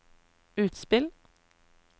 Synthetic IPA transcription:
ʉːt̪spɪl

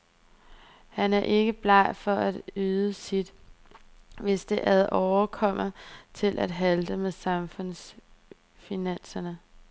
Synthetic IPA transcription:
hænæɐʔe̝ɡ̥əb̥lɑ̈ɪfɒ̽æd̥yːðˠəsid̥ | ʋe̝sd̥e̝ʔæɐðˠʔɒʊɐkʰɒ̽m̰ɐt͡sʰe̝lʔæd̥ɦæld̥əmeðˠsɑ̈mfɔ̽n̰s | finæn̰sɐnə

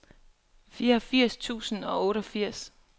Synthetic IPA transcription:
fiːɐɒfiɐ̰st͡sʰṵːsən̩ɒ̽ɔ̽ːɾ̥ɒfiɐ̰s

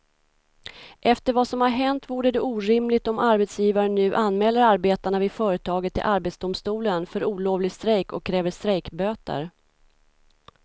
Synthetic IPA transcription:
ʔɛft̪əɾvasɔmhaɾɦɛnt̪vuːɖəd̪ɛʔuːɾɪmlɪɡt̪ɔmaɾbɛt̪sjiːvaɾənʉ̟ːʔanmɛːlːəɾaɾbeːt̪aɳavɪfœːɾət̪ʰɑːɡət̪ːɪ̰lʔaɾbɛːt̪sd̪ʊmst̪uːlənfœɾuːloːvlɪɡst̪ɾɛjkɔ̰kʰːɾɛːvəʂt̪ɾɛjkbøːt̪a̰ɾ

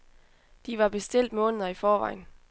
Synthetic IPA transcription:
d̥iʋɑ̈b̥e̝sd̥e̝l̰d̥mɔ̽ːnəð̞̩ˠɐifɒːʋɑ̈ɪ̰n

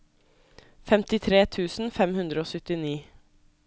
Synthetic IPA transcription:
fɛmt̪ɪt̪ʰɾeːt̪ʰʉːsn̩fɛmhʉnd̪ɾəoːsʏt̪ɪniː

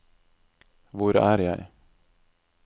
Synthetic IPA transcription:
ʋʊɾæ̰ːɾjæ̰ɪ

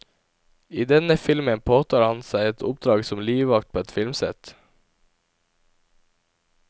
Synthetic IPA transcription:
iːd̪ɛnəfɪlmənpʰoːt̪ʰɑːɾhɑnsæɪɛt̪ʰʊp̚d̪ɾɑːɡsɔmliːʋɑkt̪̚ʰoːɛt̪fɪlmsɛ̰t̪

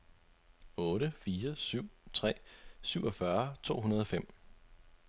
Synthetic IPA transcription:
ɔ̽ːɾəfiːɐsyʊ̰t͡sʰʁɛ̰ːsyʊ̰ɒ̽fɶɐt͡sʰo̝̰ːɦunɐð̞ˠɒ̽fem̰

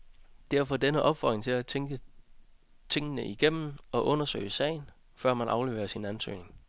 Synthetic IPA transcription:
d̥æɐfɒ̽denəʔɒ̽b̥fɒ̰d̥ʁeŋt͡sʰe̝læt͡sʰeŋɡ̥ə | t͡sʰe̝ŋ̰ənəʔiɡ̥em̰m̩ɒ̽ʔɔ̽nɐsø̰ːɪəsɛ̰ɪn | fɶɐ̰mænʔɑ̈ʊle̝ːḛːɐsinænsø̰ːne̝ŋ

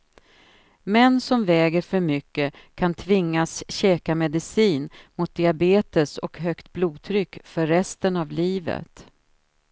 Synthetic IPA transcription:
mɛnːsɔmvɛːɡəɾfœɾmʏkːəkʰant̪ʰvɪŋːasɕɛːkamɛd̪ɪsiːnmʊt̪̚d̪ɪabeːt̪əsɔkɦœkt̪̚bluːd̪̚t̪ʰɾʏkːfœɾːɛst̪ənavliːvə̰t̪

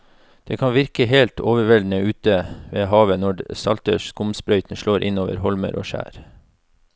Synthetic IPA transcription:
d̪̥eːkʰɑnʋɪɾkəɦeːlt̪ʰoːʋəʋɛld̪n̩əʉːt̪əʋeːɦɑːʋənɔɖsɑ̰lt̪əʃkʊmspɾœʏt̪n̩ʃɭoːɾʔɪnoːʋə̰ɾhɔlmə̰ɾʔo̰ːʃæ̰ːɾ

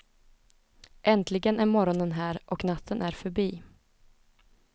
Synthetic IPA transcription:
ʔɛnt̪lɪɡənæɾmɔɾɔnənɦæːɾʔɔknat̪ʰːənʔæɾfœɾbiː

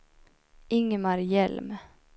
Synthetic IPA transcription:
ɪŋːəmaɾjɛlm

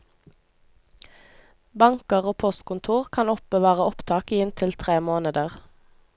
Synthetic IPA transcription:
bɑŋkəʁoːpʰɔst̪kʊnt̪ʰuːʁkʰɑnɔp̚bəʋɑːʁəɔpt̪ʰɑːkiːɪnt̪ʰɪlt̪ʰʁeːmoːnəd̪əʁ

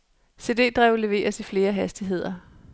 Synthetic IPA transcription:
se̝ːd̥e̝̰ːd̥ʁɛʊ̰le̝ʋe̝̰ːɐsifle̝ːɐɦæsd̥iɦe̝ð̞̰ˠɐ

